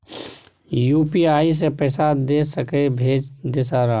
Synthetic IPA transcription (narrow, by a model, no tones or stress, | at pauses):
juːpiaːis̬epɛːsad̪eːsəkebʱeːd͡ʒd̪eːsaɾa